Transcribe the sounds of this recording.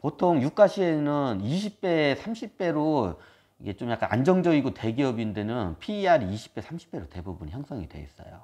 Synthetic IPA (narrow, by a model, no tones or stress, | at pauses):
potʰoŋjuk͈aɕʰie̞nɯniɕʰip̚p͈e̞sʰamɕʰip͈̚e̞ɾo | iɡe̞t͡ɕomjak͈a̰na̰nd͡ʑʌŋd͡ʑʌɡiɡote̞ɡiʌbinde̞nɯnpʰiːaɾiiɕʰi̥p͈e̞sʰamɕʰi̥p͈e̞ɾote̞bubuniçjʌŋs͈ʰʌŋidwe̞̰ḭs͈ʌ̰jo̰